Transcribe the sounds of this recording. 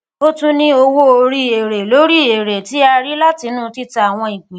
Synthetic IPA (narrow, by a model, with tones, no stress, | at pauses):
o˦tũ˦nĩ˦o˧wo˦o˧ɾi˦e˨ɾe˨lo˨˦ɾi˦˨e˨ɾe˨ti˨˦a˧ɾi˦la˦ti˧˦nũ˦ti˦ta˧a˨w̃ɔ̃˧i˨k͡pĩ˨˦